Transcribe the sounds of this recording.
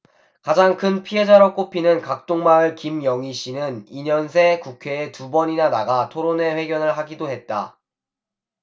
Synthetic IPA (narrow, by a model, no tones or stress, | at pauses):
kad͡ʑaŋkʰɯnpʰiɦe̞d͡ʑaɾʌk͈opʰinɯnkak̚t͈oŋmaɯɭkimjʌŋiɕʰinɯniɲʌns̬ʰe̞kukʰe̞ːtubʌɲinanaɡatʰoɾone̞ɸwe̞ɡjʌnɯɭɦaɡidoɦe̞t̚t͈a